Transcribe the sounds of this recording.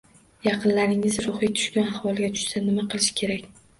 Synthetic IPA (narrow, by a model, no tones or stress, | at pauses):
jɑqʰɨnlaɾɪŋɪzɾʊχijt̪ʰʊ̥ʃkʲanahwɒlˠɡʲat̪ʰʊ̥ʃsanɪmaqʰɨlˠɪʃɪ̥kʲʰe̞ɾakʲ